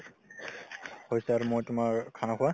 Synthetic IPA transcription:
hojsɛaɹumojtʊmakʰanakʰuwa

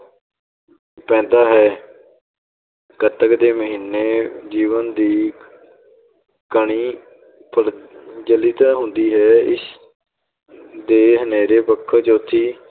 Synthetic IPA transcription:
pɛ̃ːnd̪aːɦɛː | kət̪əkd̪eːməɦiːnːeːd͡ʒiːʋənd̪iː | kəɳiː | pʰəɾd͡ʒəliːt̪aːɦʊ̃nd̪iːɦɛːɪs | d̪eːɦəneːɾeːpəkʰːət͡ʃʊt̪ʰːiː

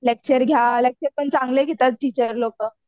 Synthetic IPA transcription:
lek̚t͡ɕəɾɡʱjalek̚t͡ɕəɾpəɳt͡sãŋɡleɡʱet̪at̪̚ʈit͡ɕəɾlokə

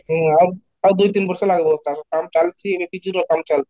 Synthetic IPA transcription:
ɦɛ̃aɾ | ad̪ujt̪inbɔɾʃelaɡboaʃokamt͡ɕalt͡ɕʰiebekit͡ɕʰuɾokamt͡ɕalt͡ɕʰi̥

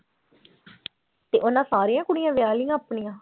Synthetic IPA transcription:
t̪eːʔonãːsaːɾijãːkʊɽijãːʋjaːlijãːəpɳijãː

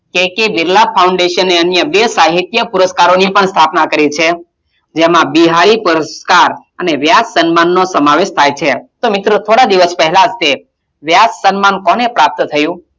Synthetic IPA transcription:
kekebɪɾlapʰauɳɖeʃənːeənjəbesaɦit̪jəpʊɾəskaɾonipəɳst̪ʰapnakəɾit͡ʃʰe | d͡ʒemãbiɦaɾipʊɾəskaɾ | əneʋjassənmanːosəmaʋeʃt̪ʰajt͡ʃʰet̪omɪt̪ɾot̪ʰoɽad̪iʋəspɛɦɛlad͡ʒt̪e | ʋjassənmankɔnepɾap̚t̪t̪ʰəjũ

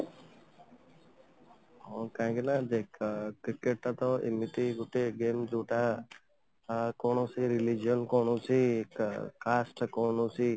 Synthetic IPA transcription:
okãːkenad̪ekkɾɪkeʈːat̪oʔɪ̰miʈ̪iɡuʈːeɡeːmd͡ʒuːʈa | koːnoːsiɾilid͡ʒjonkoːɳũsi | kaːsʈkoːnũsiː

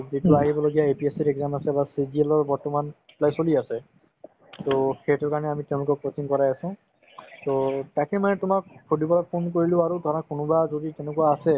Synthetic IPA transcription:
zituaɦibɔloɡijaepiesiɹɛɡzamasɛbasidielɔɹbɔɹtɔmanplajsoliasɛ | toxetɔɹkaɹɔnɛamitɛ̃ʊ̃lʊkɔpɹotiŋkɔɹajasɔ̃ | totakɛmanɛtʊmak̚pʰodipɔlapʰonkoɹilʊ̃aɹudʱaɹakʊnʊbazoditɛnɛkuaːsɛ

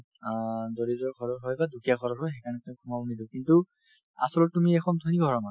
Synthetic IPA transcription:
doɹizɔɹkʰɔɹɔɹɦɔjbadukʰijakʰɔɾɔɹɦɔjxɛkʰanɛtumkʰumabɔnidiʊkintu | a̰sɔlɔtumiɛkʰɔntʰɔniɡʱɔɹɔna

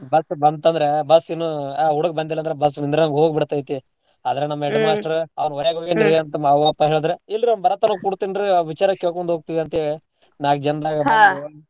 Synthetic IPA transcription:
bɐsbɐnd̪t̪ɐnd̪ɐɾebɐsinːuaɦuɽuɡ̚bɐnd̪ilːɐnd̪ɐɾebɐs̬ːinind̪ɾenɐmɡɦoːɡbiɽt̪ːaːjt̪i | aːd̪ɐɾenɐmːɐeɖmaːsʈɐɾɐʋɐnoɾjaːɡɦoːɡend̪iɾɡeɐnt̪ɐmaʋapːɐɦeːɭd̪ɾeilːiɾɐnbɐɾɐt̪ːɐnɐkuɽt̪inɾeʋit͡ʃaːɾɐkeɭkoɳd̪ɦoːɡ̚t̪iʋiɐnt̪e | naːɡd͡ʒɐnd̪aːɡɐaa

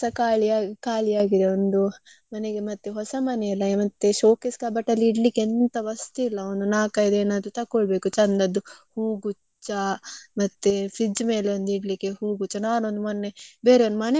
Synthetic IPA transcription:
sɐkaːɭiaːɡkaːɭijaːɡid̪eond̪u | mɐneɡemɐt̪ːeɦɔsɐmɐneilːɐmɐt̪ːeʃoːkeskaːbɐʈːɐlːiiɽlikːeent̪ɐʋɐst̪uilːɐond̪unaːkɐid̪eːnaːd̪ut̪ɐkːoɭbe̞ːkut͡ʃɐnd̪ɐd̪uhuːɡu | t͡ʃːɐmɐt̪ːefɾid͡ʒmeːleond̪uiɽlikːehuːɡut͡ʃːɐnaːnond̪umɐnːebeːɾeond̪umɐne

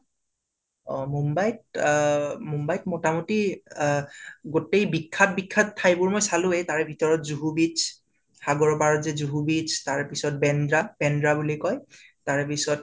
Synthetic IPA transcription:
ɔmumbajt | mumbajtmɔtamuti | ɡotejbikʰːat̚bikʰːatʰːajbʊɹmojsalʊ̃ɛtaɹɛbʱitɔɹɔtzuɦubit͡ʃ | xaɡɔɹɔpaɹɔzɛzuɦubit͡ʃʰtaɹpisɔt̚bɛndɹab̥ɛndɹabulikɔjtaɹpisɔt̚

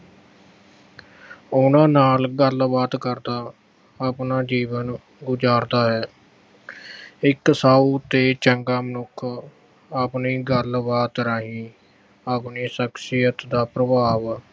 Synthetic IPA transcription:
ʊnãːnaːlɡəlbaːt̪kəɾd̪aː | aːpnaːd͡ʒiːʋən | ɡʊd͡ʒaːɾd̪aːɦɛː | ɪksaːuːt̪eːt͡ʃəŋɡaːmənʊkʰ | aːpniːɡəlbaːt̪ɾaːɦĩː | aːɡniːsəksɪjət̪d̪aːpɾəbaːʋ

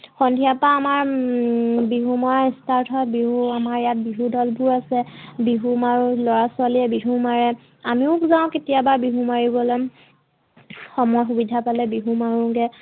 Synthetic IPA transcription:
xɔndʱijapaːmaɹ | biɦumɔaistaɹtʰɔt̚biɦuamaɹjat̚biɦudɔlbʱuɹasɛbiɦumaɹũlɔɹasʊaliɛbiɦumaɹɛ | amiʊkzãʊ̃ketijabaɹbiɦumaɹibɔlɛm | xɔmɔjxubidʱapalɛbiɦumaɹũɡɛ

